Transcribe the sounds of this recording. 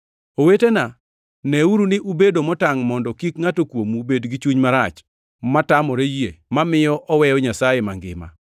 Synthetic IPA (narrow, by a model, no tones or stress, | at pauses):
owetena | nɛuɾunɪʔubedomɔtaŋmɔndɔkikŋatokwomubedɡit͡ʃuɲmaɾat͡ʃ | matamɔɾejemamɪjɔʔɔwɛjɔɲasajemaŋɡɪ̰ma̰